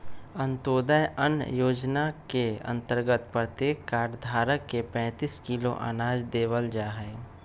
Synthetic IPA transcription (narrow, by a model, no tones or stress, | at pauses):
ə̃nt̪oːd̪əjʔə̰njoːd͡ʒnakeə̰̃nt̪əɾɡət̪pɾət̪eːkːaːʈd̪ʱaːɾəkːepɛ̃ːt̪iːskilo̰ʔa̰naːd͡ʒd̪eːʋəld͡ʒaːɦɛː